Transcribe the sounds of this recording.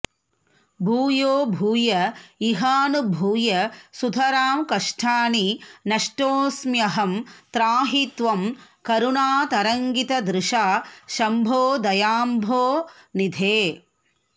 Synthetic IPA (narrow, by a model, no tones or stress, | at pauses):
bʱuːjoːbʱuːjɐiɦaːnubʱuːjɐsud̪ʱʰɐɾaːmkɐʂʈʰaːninɐʂʈoːsmjɐɦɐmt̪ɾaːɦit̪ʋɐm | kɐɾuɳaːt̪ɐɾɐŋɡit̪ɐd̪ɾɪʂaːʃɐmbʱoːd̪ɐjaːmbʱoːnid̪ʱeː